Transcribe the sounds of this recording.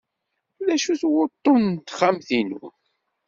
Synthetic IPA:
læʃuθwʊt̪ˤːont̪χamθinu

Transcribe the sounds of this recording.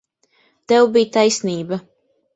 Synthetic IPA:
t̪ɛwbijt̪ajsniːbɐ

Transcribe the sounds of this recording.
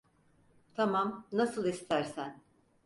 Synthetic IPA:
t̪ʰamamnasɯlˠist̪ʰæɾsæn

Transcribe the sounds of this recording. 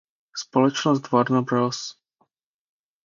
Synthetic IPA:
spolɛt͡ʃnɔst̪vadnabɾɔs

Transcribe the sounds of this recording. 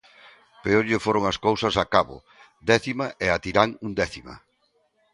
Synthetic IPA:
peoʎɪfoɾoŋɐskowsɐsakaβʊ̰ | d̪ɛθimaʔɛat̪iɾaŋund̪ɛθimɐ̰

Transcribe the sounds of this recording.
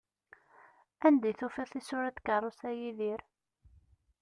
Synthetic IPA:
ænd̪æjθufiθisʊɾæt̪kɑrˤʊsæjiðiɾ

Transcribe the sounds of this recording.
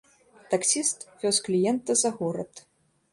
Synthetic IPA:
t̪ɐksʲist̪vʲɔsklʲijɛnt̪ɐzɐɣɔɾɐ̰t̪

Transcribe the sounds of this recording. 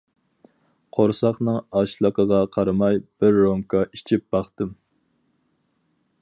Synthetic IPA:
qʰoɾsɑχnɨŋɑʃlˠəqəʁɑqʰɑɾɨmɑjb̥ɪɾːomkʰɑit͡ʃʰip̚b̥ɑχt̪ɨm

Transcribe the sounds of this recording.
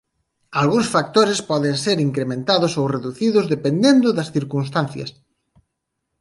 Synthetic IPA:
alɣuŋsfak̚t̪oɾɪspɔðeŋseɾiŋkɾemẽnt̪aðʊsowreðuθiðʊzðepend̪end̪ʊðɐsθiɾkuns̬t̪anθjɐ̰s

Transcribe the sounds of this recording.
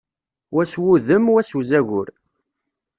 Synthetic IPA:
wæswuðəmwæswzæʝʊɾ

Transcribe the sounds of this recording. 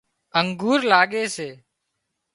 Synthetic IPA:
əŋɡuːɾlaːɠeːseː

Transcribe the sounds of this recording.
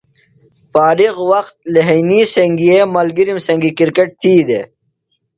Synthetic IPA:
faːɾiɣwɐqt̪̚leɦijniseŋɡiemɐlɡiɾimsɐŋɡikiɾkeʈ̚t̪ʰiːd̪e

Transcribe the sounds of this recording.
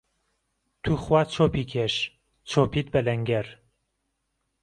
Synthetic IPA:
t̪ʰuːχwaːt͡ʃʰoːpiːkʰeʃ | t͡ʃʰoːpiːt̪̚bɐlɛŋɡɛɾ

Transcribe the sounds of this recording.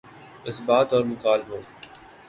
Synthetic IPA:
ɪsbaːt̪ɔːɾmʊkaːlɦoː

